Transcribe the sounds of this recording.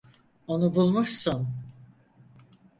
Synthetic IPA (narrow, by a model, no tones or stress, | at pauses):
o̞nubulˠmuʃsun